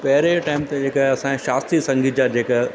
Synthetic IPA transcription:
pɛɦɪɾeʈaːɪmt̪ed͡ʑeːkaɦɐsãʃaːst̪ɾisɐ̃ŋɡʱɪt̪̚d͡ʑad͡ʑeːka

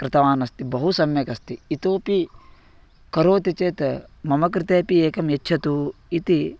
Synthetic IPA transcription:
kɾɪt̪ɐʋaːnɐst̪ibɐɦusɐmjɐkɐst̪iːt̪oːpi | kɐɾoːt̪it͡ʃeːt̪mɐmɐk̬ɾɪt̪eːpieːkɐmjetːt͡ʃʰɐt̪u | it̪i

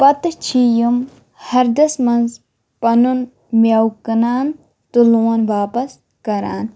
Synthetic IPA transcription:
pɐt̪t͡ʃʰijum | hɐɾd̪ɐsmɐnz | pɐnun | mjawkɐnaːn | t̪uloːnʋaːpɐs | kɐɾa̰ːn

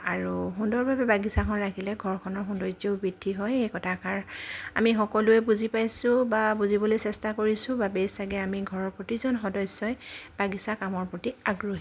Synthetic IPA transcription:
aɹuɦundɔɹbʱabɛbaɡisakʰɔnɹakʰilɛɡʱɔɹkʰɔnɔɹxundɔɹzobidʱːiɦɔjejkɔtʰakaɹa̰mixɔkɔlʊɛbuzipajsʊ̃babuzibɔlojsɛstakoɹisʊ̃babesaɡɛamiɡʱɔɹɔɹpɹotizɔnxɔdɔjsɔjb̥aɡisakamɔɹpɹotiaɡɹoɦi

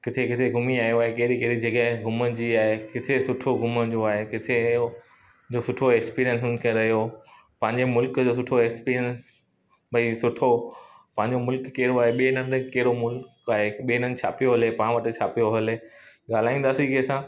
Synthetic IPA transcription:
kɪt̪ʰekɪt̪ʰeɡʱʊmiaːijoaːɦekeːɗikeːɾid͡ʑɐɠəɦɪ̃ɡʱʊməd͡ʑiaːɦekɪt̪ʰesʊʈʰoɡʱʊmə̆d͡ʑoaːɦekɪt̪ʰe | d͡ʑoːsʊʈʰoɛkspiːɾijəns̬ʊnɪ̆kʰẽɾɐɦjo | pɐ̃ɦɪ̃ɲd͡ʑemʊlkd͡ʑoːsʊʈʰoɛkspiːɾijəns | bʱɐisʊʈʰo | pɐ̃ɦɪ̃ɲd͡ʑomʊlkːeːɾoaːɦeɓieɪnə̃nɪt̪keːɾomʊlkaːɦeɓienənt͡ɕʰa̰ːpijoɦɐlepãːʋɐʈɪt͡ɕʰaːpijoɦɐleːɠaːl̤aːĩːnd̪aːsikesãː

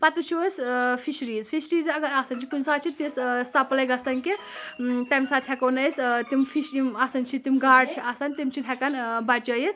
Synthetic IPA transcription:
pɐt̪ut͡ʃʰiɐspʰiʃɾiːzpʰiʃɾiːzɐɡɐɾaːsɐnt͡ʃʰikunsaːt͡ʃʰit̪issɐplɐjɡɐsɐnki | t̪ajmsaːt̪ʰʲjakonɐjst̪imfʰiʃimaːsɐnt͡ʃʰit̪imɡaːɽt͡ʃʰiʔasɐnʲt̪imt͡ʃʰid̪ʰʱʲakɐnbɐt͡ʃɐjit̪

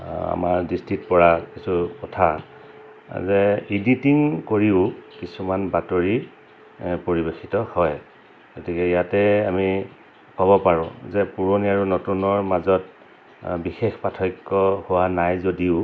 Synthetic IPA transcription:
a̰maɹdistɹit̚pɔɹakisukɔtʰa | zɛiditiŋkoɹiʊkisumanbatoɹi | poɹibexitɔhɔj | ɡ̥otikɛijatɛami | kɔbɔpaɹʊ̃zɛpuɹoniaɹunotunɔɹmazɔt̚ | bixexpatʰɔjkːɔhuwanajzodiʊ

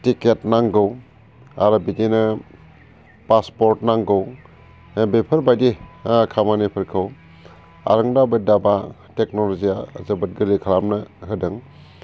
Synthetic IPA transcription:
tiketnaŋɡɯw | a̰ɾabidenɯ | paspɔɾtnaŋɡɯw | bepʰɯɾbajdekʰamanepʰɯɾkʰɯw | a̰ɾɯŋdabɯdaba | tek̚nɔlɔziazabɯt̚ɡɯɾikʰaɾamnɯɦɯdɯŋ

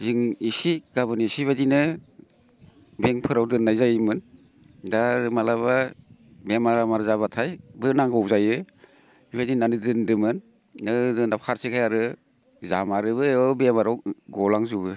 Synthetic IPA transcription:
ziŋisiɡ̥abɯnisiβadinɯ | beŋpʰɯɾawdɯnːajzajɯmɯn | daɾɯmalaβabemaɾamaɾzaβatʰajbɯnaŋɡɔwzajɯ | ibadinanɯdɯndɯmɯnː | ɯdɯnapʰaɾsikʰajaɾɯ | za̰maɾɯbɯɔbemaɾawɡɔlaŋzubɯ

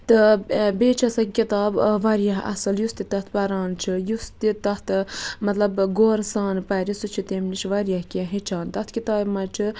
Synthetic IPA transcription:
t̪ɨbeːt͡ʃʰɐsɐkʲit̪aːbʋɐɾijɐɦɐ̰sɨljust̪it̪ɐt̪ʰpɐɾaːnt͡ʃʰijust̪it̪ɐht̪ʰmɐt̪lɐbɡoːɾsaːnpɐɾisut͡ʃʰit̪eːmnit͡ʃʋaɾijɐhkãɦit͡ʃʰaːnt̪ɐt̪ʰkʲit̪aːbmɐt͡ʃʰi

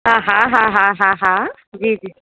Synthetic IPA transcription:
ɦãɦãɦãɦãɦãɦã | d͡ʒiːd͡ʒiː

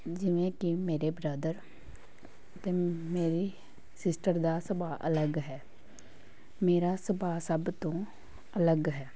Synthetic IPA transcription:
d͡ʒɪʋẽːkɪmeːɾeːbɾəːd̪əɾ | ət̪eːmeːɾiː | sɪsʈəɾd̪aːsəpaːʔələɡɦɛː | meːɾaːsəpaːsəbt̪õː | ələɡɦɛː

